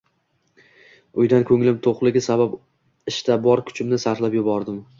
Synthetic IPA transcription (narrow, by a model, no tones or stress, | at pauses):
ʊjd̪ankʲʰɵŋlɪmt̪ʰoqlˠɪɡʲɪsabap | ɪʃt̪ʰabɒɾkʲʰʊ̥t͡ʃʰɪmnɪsaɾlapjʊbɒɾd̪ɪm